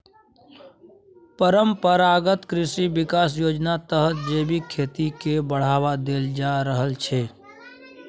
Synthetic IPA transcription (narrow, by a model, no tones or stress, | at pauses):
pəɾəmpəɾaɡət̪kɾɪsiʋɪkaːs̬joːd͡ʒnat̪əɦət̪̚d͡ʒeːbikʰeːt̪ikebəɽ̤aːʋad̪eːld͡ʒaɾəɦəlt͡ʃʰeː